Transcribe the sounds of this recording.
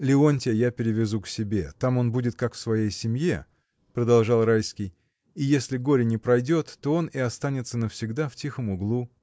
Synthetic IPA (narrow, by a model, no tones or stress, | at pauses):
lʲɪo̞nʲtʲɪjapʲɪɾʲɪvʲɪzuksʲɪbʲe̞t̪amo̞nbudʲɪt̪̚kakfsvɐjejsʲɪmʲje | pɾəd̪ɐlˠʐɑlˠɾajskʲɪj | ijesʲlʲɪɡo̞ɾʲɪnʲɪpɾɐjdʲo̞t̪ːo̞o̞nɪɐst̪anʲɪt̪sənəfsʲɪɡd̪aftʲixəmʊɡlˠu